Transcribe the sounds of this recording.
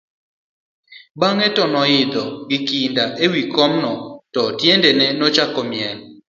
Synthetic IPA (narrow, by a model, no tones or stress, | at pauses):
baŋɛtɔnɔjɪd̪ɔɡɪkindaʔewikɔmnɔtɔtjendenɛnɔt͡ʃakɔmjɛl